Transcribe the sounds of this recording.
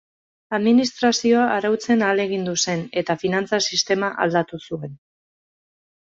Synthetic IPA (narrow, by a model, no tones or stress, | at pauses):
aðminist̪ɾasio̞aʔːɾawt͡se̞nale̞ɣ̞ind̪use̞ne̞t̪afinant͡sasist̪e̞maʔa̰ld̪at̪usue̞n